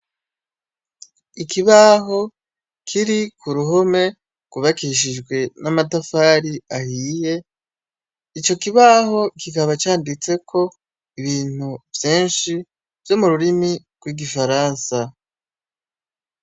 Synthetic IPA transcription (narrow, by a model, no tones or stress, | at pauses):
ikʰiβaɦo̞ | kʰiɾikʰuɾuɦo̞me̞ | ɡ̥uβakiʃ̬iʒɡwe̞namatafaːɾiahiːje̞ | it͡ʃo̞kiβaɦo̞kikaβat͡ʃaːndit͡se̞kʰo̞ | iβiːn̥uvjeːnʃi | vjo̞muɾuɾimi | ɡ̥wiːɡifaɾaːnsa